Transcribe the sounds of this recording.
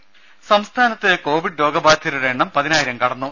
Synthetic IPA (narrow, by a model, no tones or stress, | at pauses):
sɐmst̪ʰaːnɐt̪ːeko̞ːʋiɖɾo̞ːɡɐbaːt̪ʰːiluʋeːɳːɐmpɐðinaːjiɾɐmkɐɽɐnːu